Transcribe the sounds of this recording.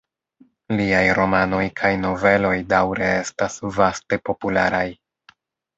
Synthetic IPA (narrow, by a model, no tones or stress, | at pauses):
liajɾo̞mano̞jkʰajno̞ve̞lo̞jdawɾe̞e̞stasvaste̞po̞pula̰ɾaj